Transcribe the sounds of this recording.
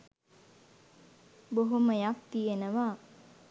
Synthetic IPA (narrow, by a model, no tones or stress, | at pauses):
boɦuməjak̚t̪ijenəʋaː